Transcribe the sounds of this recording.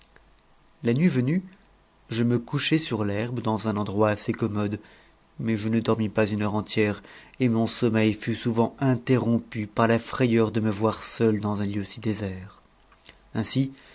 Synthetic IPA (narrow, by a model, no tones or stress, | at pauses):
lanɥivəny | ʒəməkuʃɛsyʁlɛʁbd̪ɑ̃zɛ̃nɑ̃d̪ʁwaːsekɔmɔd̪ | mɛʒənəd̪ɔʁmipazynœʁɑ̃t̪jɛʁemɔ̃sɔmɛjfysuvɑ̃ɛ̃t̪eʁɔ̃pypaʁlafχejœʁd̪əməvwaʁsœld̪ɑ̃zɛ̃ljøsid̪ezɛʁ | ɛ̃si